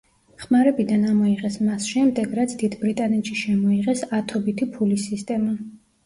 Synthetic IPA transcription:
χmaɾɛbid̪anamɔiʁɛsmasʃɛmd̪ɛɡɾat̪sʰd̪id̪bɾit̪ʼanɛt̪ʃiʃɛmɔiʁɛsat̪ʰɔbit̪ʰipʰulisist̪ʼɛma

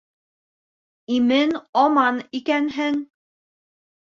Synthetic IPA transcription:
imɘnɒmɑnikænɦɘŋ

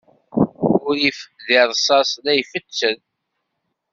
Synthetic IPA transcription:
ʊɾjifə̥ðɪɾˤsˤɑslæjfət͡sːəð

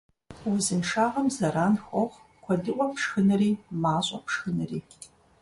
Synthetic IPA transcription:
wʊzɨnʂaːʁɐmzɐɾaːnxʷɔʁ | kʷʰɔdɨʔʷʼɔpʂxɨnɨriːmaːɕʼɐpʂxɨnɨriː

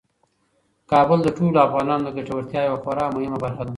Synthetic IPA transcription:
kɑbʊld̪əʈoloafɣɑnɑnod̪əɡaʈawaɾt̪jɑjawaxoɾɑmʊhɪmabaɾxad̪a

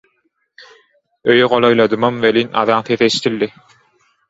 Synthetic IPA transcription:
øjøʁolˠojlˠɑd̪ɯmɑmveliːnʔɑ̰ðɑŋθeθeʃt̪ʰilːi

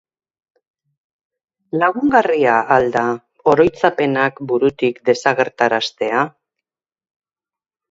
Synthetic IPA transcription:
laɣuŋɡariaːld̪a | o̞ɾo̞jt͡sape̞nakbuɾut̪ikd̪e̞saɣ̞e̞ɾt̪aɾast̪e̞a

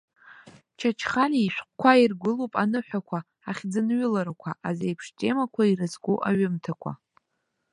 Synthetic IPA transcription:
t͡ʃʰat͡ʃʰχaliːʃʷᶣqʷʼkʷʰairɡʷʊlopʼanɨħʷᶣakʷʰa | aχʲd͡zɨnɥʊlaɾakʷʰaʔazejpʰʂtʼe̞makʷʰairɨzɡʷuʔa̰ɥɨmtʰakʷʰa̰

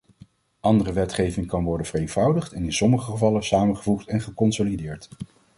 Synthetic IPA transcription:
ʔɑndərəʋɛtχejvɪŋkɑnʋɔɹdənv̥ərejnv̥ʌwdəχtɛnɪnsɔməχəχəvɑləsaːməχəvuχtɛnχəkɔnsolidɪːɹt

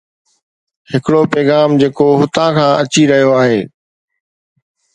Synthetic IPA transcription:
hɪkɪɽopɛːɣaːmd͡ʑeːkoɦʊt̪ãkʰãːʔɐt͡ɕiɾɐɦijoaːɦeː

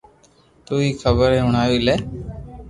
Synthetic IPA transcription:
t̪uːiːkʰəbəɾẽːɦʊɳaːʋilɛː

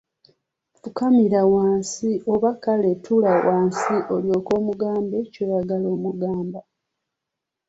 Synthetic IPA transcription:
fukamiɾawaːnsiʔo̞βakaletʰulawaːnsiʔo̞ljo̞ːko̞ːmuɡaːmbecojaɡalo̞ːmuɡaːmba

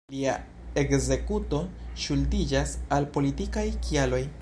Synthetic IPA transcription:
lia̰ | e̞kze̞kuto̞ʃuldid͡ʒasalpo̞litikajkialo̞j

